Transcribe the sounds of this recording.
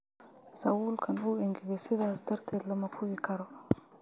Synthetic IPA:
sɐwuːlkʰɐnuːɛŋɡɛɡɛsɪðaːsd̪ɐɾt̪ʰɛːd̪lɐmɐkʰʊwɪkʰɐɾɔ

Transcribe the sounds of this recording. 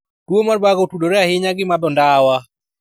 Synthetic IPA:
d̥womarbaɡotudoɾɛahɪɲaɡɪmabɔndawa

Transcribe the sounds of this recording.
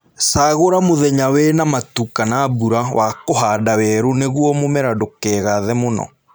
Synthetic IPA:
saːɣoɾamoðɛɲawɛnamatukanabuɾawʔakoɦadawɛɾoneɣwɔmomɛɾadokɛɣaðɛmonɔ̰

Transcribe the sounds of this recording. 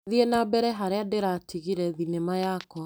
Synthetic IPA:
ðienabɛɾɛɦaɾeadeɾatʰiɣiɾɛðinemajakɔ

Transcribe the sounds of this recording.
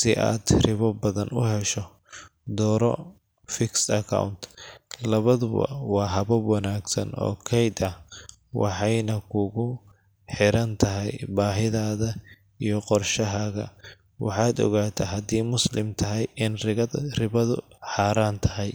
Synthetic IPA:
sɪʔa̰ːd̪rɪβɐbɐðɐnʊɦɛʃɔ | d̪ɔːɾɔ | fɪksɐkʰa̰wnt̪ʰlɐβɐðʊβɐ̰wɑːɦɐβɐwɑnaːɡsɐ̰nʔɔ̰ːkʰɛjd̪ɐ | wɑ̰ħɑjnɐkʰʊɣʊ | ħɪɾɐnt̪ʰɐɦɛjbaːɦɪðaːðɐ | ijɞqɔrʃɐɦɐɣɐ̰ | wɑ̰ħɑːd̪ɔ̰ɣaːt̪ʰɐɦɐd̪iːmʊslɪmt̪ʰɐɦɛjɪnrɪɐrɪβɐðʊ̰ħɑːɾaːnt̪ʰɐɦɛj

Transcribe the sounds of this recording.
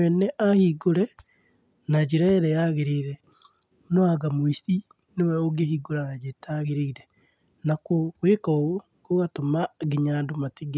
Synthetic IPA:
ɛnɛʔahiɡoɾɛ | nad͡ʒeɾaeɾɛjaɣeɾeɾɛ | noaɡamoisti | newɛoɡehiɡoɾaɣad͡ʒetaɣeɾeɾɛ | nakokwekao | koɣatomaɡeɲaːndomateɡe

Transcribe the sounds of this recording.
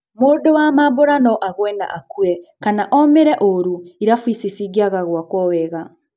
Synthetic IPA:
mudowamaβoɾanɔʔaɣwɛna̰ʔakuwɛkanaʔomeɾɛʔoɾuiɾafwisisiɡiaɣaɣwakɔwɛɣa

